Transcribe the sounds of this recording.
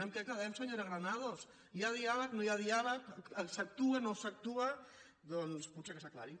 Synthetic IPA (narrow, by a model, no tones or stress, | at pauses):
emkekaðaemsoɲoɾeɣɾanaðos | jaðiaβanojaðiaβasak̚t̪uenosak̚t̪ua | ðolspusekesakla̰ɾi